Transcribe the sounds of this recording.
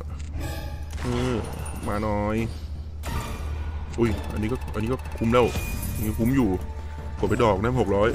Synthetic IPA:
ʔɯː˧˩maː˧nɔː˧˥j | ʔu˧˥˩jʔa̰˧nːiː˦˥kɔː˥˩ʔniː˦˥kɔ˥˩kʰu˧˥mlɛː˥˩wni˧˦˥kʰu˦˥mjuː˨˩ | pʰu˨˩˦mpa˨˩jdɔː˨˩k̚naː˦˥˩ho˨˩k̚ɾɔː˦˥j

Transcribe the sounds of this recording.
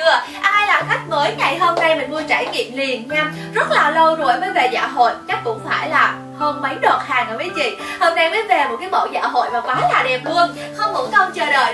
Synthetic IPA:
ɨ˧əʔa˧ʔaː˧jlaː˨˩t̪ʰa˦˥jk̟̚məː˨˦jŋa˨˩jɦəː˧mna˧jmə̈˨˩nmu˧ət͡ɕaː˧˩jŋḭ˧˨əmli˨˩ənɲaː˧ | zə˦˥t̚laː˨˩lə˧wzo˨˧˩jməː˨˦jve˨˩za̰ː˧˨ɦo̰˧˨jt͡ɕa˦˥k̟̚kʊ̰˧˥ŋ͡mfaː˧˩jlaː˨˩ | həː˧nmə˨˦jɗwaː˨˩t̚haː˨˩ŋʔəː˧˩vəː˨˦jt͡ɕḭ˧˨həː˧nna˧mə˨˦jve˨˩mo˨˩t̚kaː˨˦mo̰˧˨za̰ː˧˥˩ɦo̰˧˨jmaː˨˩kaː˨˦jlaː˨˩ɗɛ˨˩p̚lu˧əŋ | xə˧wŋ͡mhṵ˧˦kə˧wŋ͡mt͡ɕəː˨˩ɗə̰ː˧˨j

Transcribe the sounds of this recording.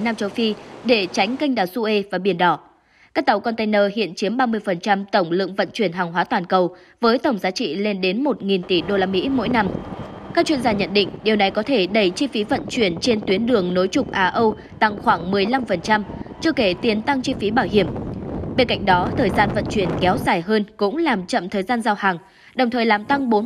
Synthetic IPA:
naː˧mt͡ɕə˧wfi˧ɗe˧˩t͡ɕa˨˦jŋ̟kə˧jŋ̟ɗaː˨˩wsu˧ʔe˧vaː˨˩ɓi˧˩ənɗɔ˧˩ | kaː˦˥k̚t̪a˨˩wkɔ˧nt̪a˧jnəː˧ɦḭ˧˨ənt͡ɕi˨˦əmɓaː˧mɨ˧əjfə˨˩nt͡ɕa˧mt̪ə˧˩wŋ͡mlɨ̰˧˨əŋvə̰˧˨nt͡ɕwi˧˩ənɦaː˨˩ŋɦwaː˨˦t̪waː˨˩nkə˨˩w | vəː˨˦jt̪ə˧˩wŋ͡mzaː˨˦t͡ɕḭ˧˨le˧nɗe˨˦nmo˨˩t̚ŋi˨˩nt̪i˧˩ɗo˧laː˧mḭ˧˥mo̰˧˥jna˧mkaː˦˥k̚t͡ɕwḭ˧ənzaː˧ɲə̰˧˨nɗḭ̈˧˨ŋ̟ɗi˨˩əwna˨˩jkɔ˨˦t̪ʰe˧˩ɗə˧˩jt͡ɕi˧fi˨˦və̰˧˨nt͡ɕwi˧˩ənt͡ɕe˧nt̪wi˨˦ənɗɨ˨˩əŋno˨˦jt͡ɕʊ˨˩k͡p̚ʔaː˧ʔə˧w | t̪a˧ŋxwaː˧˩ŋmɨ˨˩əjla˧mfə˨˩nt͡ɕa˧mt͡ɕɨ˧əke˧˩t̪i˨˩ənt̪a˧ŋt͡ɕi˧fi˨˦ɓaː˧˩wɦi˧˩əmɓe˧nka̰˧˨jŋ̟̚ɗɔ˨˦t̪ʰəː˨˩jzaː˧nvə̰˧˨nt͡ɕwi˧˩ənkɛ˨˦wzaː˨˩jɦəː˧nkʊ̰˧˥ŋ͡mlaː˨˩mt͡ɕə̰˧˨mt̪ʰəː˨˩jzaː˧nzaː˧whaː˨˩ŋ | ɗə˨˩wŋ͡mt̪ʰəː˨˩jlaː˨˩mt̪a˧ŋɓo˨˦

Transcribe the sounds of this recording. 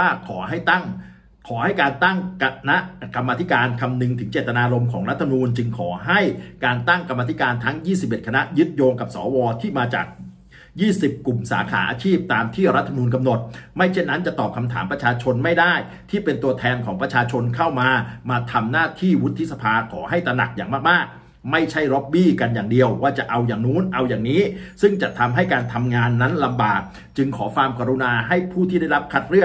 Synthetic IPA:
aː˥˩kʰɔː˩˦ɦa˥˩jŋ | kʰɔː˩˦ha˥˩jkaː˧nt̪a˥˩ŋna˦˥ʔka˧mːaː˧t̪ʰi˦˥kaː˧nkʰa˧mnɯ˧ŋt̪ʰɯ˩˦ŋt͡ɕeː˨˩t̪ːa˧naː˧ɾo˧mkʰɔː˩˦ŋɾa˦˥t̪ʰːm˧nuː˧nt͡ɕɯ˧ŋkʰɔː˩˦ɦa˥˩jkaː˧nt̪a˥˩ŋka˧ma˧i˦˥kaː˧nt̪ʰa˦˥ŋjiː˥˩si˨˩p̚ʔe˨˩t̚kʰa˧na˦˥jɯ˦˥t̪̚joː˧ŋka˨˩p̚sɔː˩˦wɔː˧t̪ʰiː˥˩maː˧t͡ɕa̰ː˨˩k̚ | jiː˥˩si˨˩p̚ku˨˩msa̰ː˩˦kʰa̰ː˩˦ʔa̰ː˧t͡ɕʰiː˥˩p̚t̪aː˧mt̪ʰiː˥˩ɾa˦˥t̪ʰːa˧nuː˧nk̬a˧mno˨˩t̪̚ma˥˩jt͡ɕʰe˥˩nːa˦˥nt͡ɕa˨˩ʔt̪ɔː˨˩p̚kʰa˧mt̪ʰa̰ː˩˦mpɾa˧t͡ɕʰaː˧t͡ɕʰo˧nma˥˩jdaː˥˩j | t̪ʰiː˥˩pe˧nt̪u˧ɐt̪ʰɛː˧nkʰɔː˩˦ŋpɾa˧t͡ɕʰaː˧t͡ɕʰo˧nkʰa˥˩wmaː˧maː˧t̪ʰa˧mnaː˥˩t̪ʰiː˥˩wu˦˥t̪ʰːi˦˥sa˧pʰaː˧kʰɔ̰ː˩˦ɦa˥˩jt̪ɾa˧na̰˨˩k̚jaː˨˩ŋmaː˥˩k̚maː˥˩k̚ | ma˥˩jt͡ɕʰa˥˩jɾɔ˦˥p̚biː˥˩ka˧njaː˨˩ŋdi˧əwwaː˥˩t͡ɕa˨˩ʔa˧wjaː˨˩ŋnuː˦˥nʔa˧wjaː˨˩ŋniː˦˥sɯ˥˩ŋt͡ɕa˨˩t̪ʰa˧mɦa˥˩jkaː˧nt̪ʰa˧mŋaː˧nːa˦˥nla˧mbaː˨˩k̚ | t͡ɕɯ˧ŋkʰɔː˩˦faː˧mka˧ɾu˧naː˧ɦa˥˩jpʰuː˥˩t̪ʰiː˥˩da˥˩jɾa˦˥p̚kʰa˦˥t̪̚ɾɯ˥˩ə

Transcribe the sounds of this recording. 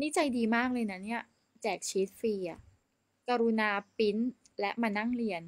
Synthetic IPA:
ni˦˥t͡ɕa˧jdiː˧maː˥˩k̚lɤː˧jna˦˥ni˥˩ɐ | t͡ɕɛː˨˩k̚t͡ɕʰi˦˥t̪̚fiː˧ʔa˨˩ | kaː˧ɾu˧naː˧pi˦˥n | lɛ˦˥ʔmaː˧na˥˩ŋɾi˧ən

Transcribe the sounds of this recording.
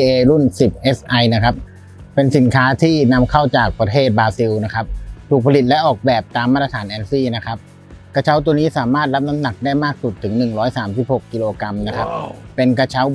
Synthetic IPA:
eː˧ɾu˥˩nsi˨˩p̚ʔe˦˥sʔa˧jna˦˥kʰa˦˥p̚ | pe˧nsi˨˩˦nkʰaː˦˥t̪ʰiː˥˩na˦˧˥mkʰa˥˩wt͡ɕaː˨˩k̚pɾa˧t̪ʰeː˥˩t̪̚baː˧si˧wna˦˥kʰa˦˥p̚t̪ʰuː˨˩k̚pʰa˧li˨˩t̪̚lɛ˦˥ʔɔː˨˩k̚bɛː˨˩p̚t̪aː˧mːaː˥˩t̪ːa˧t̪ʰaː˩˦nʔɛː˧˥nsiː˥˩na˦˥kʰa˦˥p̚ | ka˧t͡ɕʰa˦˥wt̪u˧niː˦˥saː˩˦maː˥˩t̪̚ɾa˦˥p̚na˦˥mna˨˩k̚daː˥˩jmaː˥˩k̚su˨˩t̪ʰːɯ˩˦ŋnɯ˨˩ŋɾɔː˦˥jsaː˩˦msi˨˩p̚ho˨˩kːi˧loː˧ka˧mna˦˥kʰa˦˥p̚pe˧nka˧t͡ɕʰa˦˥w

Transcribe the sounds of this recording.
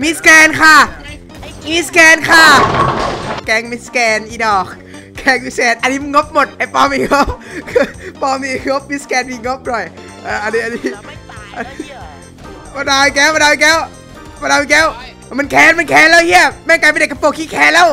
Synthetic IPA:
mi˦˧skɛː˧nkʰa˧˥˩ | miː˧˥˩skɛː˧nkʰa˧˥˩ | kɛː˧ŋmi˦˧˥skɛː˧nʔiː˧˩dɔː˨˩k̚ʰː | ɛː˧˩ŋmi˧sɛː˧˩t̪ʔa˧nːiː˦˥ma˧nŋo˦˥p̚mo˨˩t̪̚ha˨˩pɔː˧miː˧˩ŋo˦˥p̚ | pɔː˧miː˧ŋo˦˥p̚mi˦˥skɛː˧nmiː˧˩ŋo˦˥p̚ɾɔ˨˩j | ʔaː˧˩ʔa˧niː˦˥a˧niː˦˥ʔa˧n | pɔ˧daː˧˩wi˧kɛː˦˥wɔ˧daː˧wi˧kɛː˦˥w | pa˧daː˧mi˧kɛː˦˥˩w | ma˧nkʰɛː˨˧˥nma˧nkʰɛː˧˥nlɛː˦˥whi˥˩ɐmɛ˧˩˨ŋka˧pːdka˧˩po˧˩kʰiː˧˥kʰɛː˧˥nlɛː˦˥w

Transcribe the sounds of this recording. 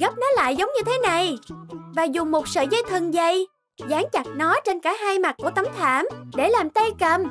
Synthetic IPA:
ɣə˦˥p̚nɔ˨˦la̰ː˧˨jzə˨˦wŋ͡mɲɨ˧t̪ʰe˨˦na˨˩jvaː˨˩zʊ˨˩ŋ͡mmo˨˩t̚sə̰ː˧˨zə˧jt̪ʰɨ˨˩ŋzə˧˩j | zaː˨˦ŋt͡ɕa˨˩t̚nɔ˨˦t͡ɕe˧nkaː˧˩ɦaː˧jma˨˩t̚ku˧˩ət̪ə˨˦mt̪ʰaː˧˩mɗe˧˩laː˨˩mt̪a˧jkə˨˩m

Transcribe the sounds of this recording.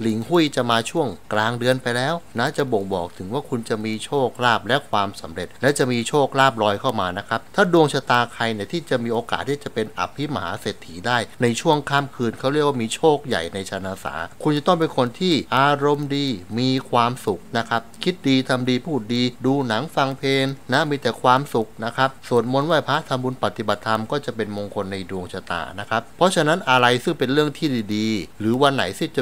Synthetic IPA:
li˩˦ŋhu˥˩jt͡ɕa˨˩maː˧t͡ɕʰu˥˩əŋklaː˧ŋdɯ˧ənpa˧jlɛː˦˥wnaː˦˥t͡ɕa˨˩bo˨˩ŋbɔ̰ː˨˩k̚t̪ʰɯ˩˦ŋwaː˥˩kʰu˧nt͡ɕa˨˩miː˧t͡ɕʰoː˥˩k̚ɾaː˥˩p̚lɛ˦˥ʔkʰwaː˧msa˩˦mɾe˨˩t̪̚lɛ˦˥wt͡ɕa˨˩miː˧t͡ɕʰoː˥˩k̚ɾaː˥˩p̬̚ɾɔː˧jkʰa˥˩wmaː˧na˦˥kʰa˦˥p̚t̪ʰaː˥˩du˧əŋt͡ɕʰaː˧t̪aː˧kʰa˧jni˥˩t̪ʰiː˥˩t͡ɕa˨˩miː˧ʔoː˧kaː˨˩t̪ʰːiː˥˩t͡ɕa˨˩pe˧nʔa̰˨˩pʰːi˦˥maː˩˦seː˨˩t̪ʰːiː˩˦daː˥˩jna˧jt͡ɕʰu˥˩əŋkʰaː˥˩mkʰɯː˧nkʰa˦˥wɾi˥˩k̚wa˥˧˩miː˧t͡ɕʰoː˥˩k̚ja̰˨˩jna˧jt͡ɕʰa˧naː˧sa̰ː˩˦kʰu˧nt͡ɕa˨˩t̪ɔ˥˩ŋp̬e˧nkʰo˧nt̪ʰiː˥˩ʔaː˧ɾo˧mdiː˧miː˧kʰwaː˧msu˨˩k̚na˦˥kʰɾa˦˥p̚kʰi˦˥t̪̚diː˧t̪ʰa˧mdiː˧pʰuː˥˩t̪̚diː˧duː˧na˩˦ŋfa˧ŋpʰeː˧nːa˦˥miː˧t̪ɛː˨˩kʰwaː˧msu˨˩k̚na˦˥kʰɾa˦˥p̚su˨˩ənmo˧nwaː˥˩pʰaː˦˥t̪ʰa˧mbuː˧npa˨˩t̪ːi˨˩ba˨˩t̪ʰːa˧mkɔː˥˩t͡ɕa˨˩pe˧nmo˧ŋkʰo˧nːa˧jdu˧əŋt͡ɕʰa˧t̪a̰ː˨˩na˦˥kʰa˦˥p̚pʰːɔ˦˥t͡ɕʰa˧na˦˥nʔa˧ɾa˧jsɯ˥˩ŋpe˧nɾɯ˥˩əŋt̪ʰiː˥˩diː˨˧diː˧ɾɯː˩˦wa˧nːa̰˩˦jsi˦˥˩t͡ɕa˨˩

